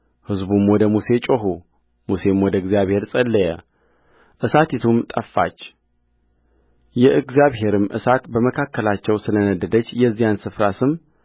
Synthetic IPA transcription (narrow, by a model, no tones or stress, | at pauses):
hɨzbumwɔd̪əmuse̞t͡ʃʼoɦu | muse̞mwɔd̪əɨɡzijaβhe̞ɾsʼəlːəjɛ̰ | ʔɨsat̪it̪ʰumt̪ʼəfːa̰t͡ʃː | jɛʔɨɡzijaβɦe̞ɾɨmʔɨ̰sat̪bəməkʰakːəlat͡ʃːɛwsɨlənəd̪ːəd̪ət͡ʃːjɛzːijansɨfɾasɨm